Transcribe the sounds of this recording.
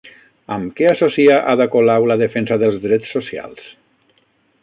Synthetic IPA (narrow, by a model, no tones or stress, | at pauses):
əmkɛasosiaʔaðəkolawləðəfensaðəlˠzðɾɛt͡sːosja̰lˠs